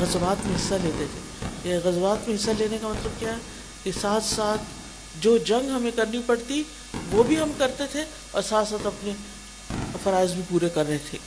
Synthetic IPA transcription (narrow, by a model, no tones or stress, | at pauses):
ɣɐzʋaːt̪mẽɦɪsːaleːt̪et̪ʰeːjɛɣɐzʋaːt̪mẽɦɪsːaleːnekamɐt̪ləb̚kjaːɦɛ | kesaːt̪ʰsaːt̪ʰ | d͡ʒoːd͡ʒɐ̃ŋɡɦɐmẽkɐɾnipɐɽt̪i | ʋobʱiɦɐmkɐɾt̪et̪ʰe | ɔ̰ːɾsaːt̪saːt̪ɐpne | ɐfɐɾaːɪzbʱipuːɾekɐɾːɐɦet̪ʰeː